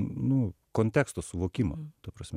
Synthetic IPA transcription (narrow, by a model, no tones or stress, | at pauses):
nʊ | koːnʲt̪ʲæːkst̪oːsʊʋoːkʲimo̰t̪ɐpɾɐsʲmʲɛ